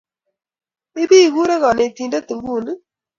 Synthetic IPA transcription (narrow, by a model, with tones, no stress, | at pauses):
mɪ˦bi˦˨ɡu˦ɾe˦ɣɔ˨nɪ˨t̪i˨nde˦t̪u˨ŋɡu˦˨n˦